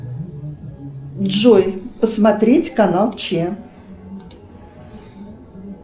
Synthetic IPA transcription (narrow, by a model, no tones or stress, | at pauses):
dʐojpəsmɐt̪ɾʲetʲkɐnalˠt͡ɕe